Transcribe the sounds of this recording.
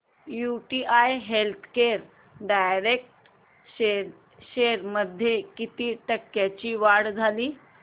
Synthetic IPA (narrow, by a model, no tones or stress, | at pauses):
juʈiʔajɦelt̪ʰkeɾ | ɖajɾek̚ʈ | ɕe | ɕeɾməd̪ʱːjekit̪iːʈəkːjat͡ɕiːʋaɽd͡zʱaliː